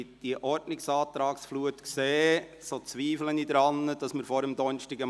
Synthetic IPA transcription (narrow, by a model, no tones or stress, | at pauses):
d̥iəʔɔɾdnɪksɑːt̪ɾɑːksfluətkseː | sot͡sʋiːflənidɾɑnːəd̥ɑsməɾfɔɾəmd̪ɔnʃtɪɡə